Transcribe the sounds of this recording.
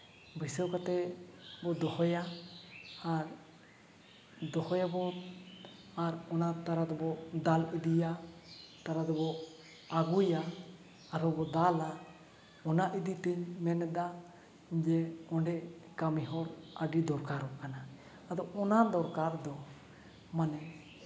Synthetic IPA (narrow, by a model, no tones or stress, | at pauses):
bʱisɔwkat̪ɛbɔd̪ɔhɔjaː | ɾ | d̪ɔhɔjabɔ | aɾɔnat̪aɾad̪ɔbɔd̪alid̪ijat̪aɾad̪ɔbɔ | aɡujaː | ɾɔbɔd̪ala | ɔnaʔid̪it̪ɛɲmɛnɛd̪a | d͡ʒɛɔɳɖɛkamiɦɔɾaɖid̪ɔɾkaɾɔʔkana | ad̪ɔɔnad̪ɔɾkaɾd̪ɔ | manɛ